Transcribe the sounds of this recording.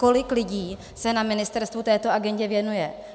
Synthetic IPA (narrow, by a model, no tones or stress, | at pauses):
ko̞lɪklɪɟiː | sɛnamɪnɪst̪ɛɾst̪vut̪ɛːt̪oʔaɡɛɲɟɛvjɛnujɛ